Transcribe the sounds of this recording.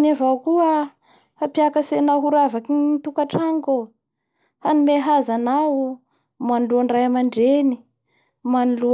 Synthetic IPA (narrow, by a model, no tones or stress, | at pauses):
navawkuə | hapjakəsenawɦuɾavakiit̪ukaʈ͡ʂaŋɡo | hanimeɦazanaw | maniluaɳɖ͡ʐajamaɳɖ͡ʐeni | manilu